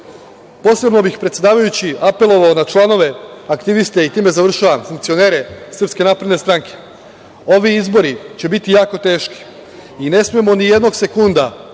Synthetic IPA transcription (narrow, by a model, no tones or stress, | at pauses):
po̞sɾe̞bno̞bixpɾet̪sʲe̞d̪aːʋajut͡ɕiape̞lo̞ʋaonat͡ʃlˠano̞ʋe̞akt̪iʋist̪e̞it̪iːme̞zaʋr̩ʃaʋamfuŋkt̪sio̞ne̞ːɾe̞sr̩pske̞naːpɾe̞d̪ne̞st̪ɾaŋke̞̥ | o̞ʋiizbo̞ɾit͡ɕe̞bit̪ijaːko̞t̪e̞ːʃki̥ | ine̞smijemo̞nije̞d̪no̞ɡse̞kund̪a